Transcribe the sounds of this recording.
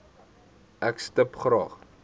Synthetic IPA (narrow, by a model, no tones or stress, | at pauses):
ʔækstəpχɾɑ̰ːχ